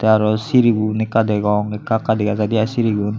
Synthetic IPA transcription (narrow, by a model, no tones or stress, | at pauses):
t̪ɛaɾɔsiɾiɡunikadɛɡɔŋekakadɛkad͡ʒadiasiɾiɡun